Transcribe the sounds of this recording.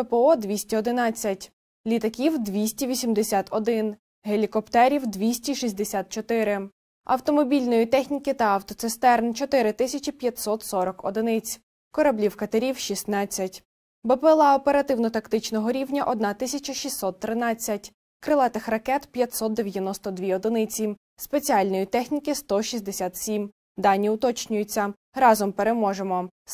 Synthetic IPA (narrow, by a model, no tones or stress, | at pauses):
ɛpeɔd̪ʋʲisʲtʲiɔd̪ɪnɑt͡sʲːɐtʲ | lʲit̪ɐkʲiwd̪ʋʲisʲtʲiʋʲisʲimd̪esʲat̪ɔd̪ɪn | ɦelʲikɔpt̪ɛɾʲiwd̪ʋʲisʲtʲiʃisʲd̪esʲat̪̚t͡ʃɔt̪ɪɾɪ | ɐ̰wt̪ɔmɔbʲilʲnɔjit̪ɛxnʲikɪt̪ɐɐwt̪ɔt̪sɪst̪ɛrnt͡ʃɔt̪ɪɾɪt̪ɪsʲɐt͡ʃipʲjɐt̪ʲsɔt̪sɔɾɔkɔd̪ɪnɪt͡sʲ | kɔɾɐblʲiwkɐt̪ɐɾʲiwʃisnɑt͡sʲːɐtʲ | bepelˠɑɔpeɾɐt̪ɪwnɔt̪ɐkt̪ɪt͡ʃnɔɦɔɾʲiwnʲɐʔɔd̪nɑt̪ɪsʲɐt͡ʃɐʃisːɔt̪ːɾɪnɑt͡sʲːɐtʲ | kɾɪlˠɑt̪ɪxrɐkɛt̪pʲjɐt̪ʲsɔt̪̚d̪eʋʲjɐnɔst̪ɔd̪ʋʲiɔd̪ɪnɪt͡sʲi | spet͡sʲiɑlʲnɔjit̪ɛxnʲikɪst̪ɔʃʲisʲd̪esʲat̪sʲim | d̪ɑnʲːiʊt̪ɔt͡ʃnʲʊjʊt͡sʲːɐ | rɑzɔmpeɾemɔʒemɔ